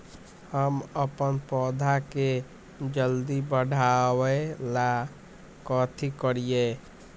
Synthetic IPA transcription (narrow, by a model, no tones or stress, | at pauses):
həməpənpɔd̪ʱake | d͡ʒəld̪ibəɽʱawela | kət̪ʰikəɾije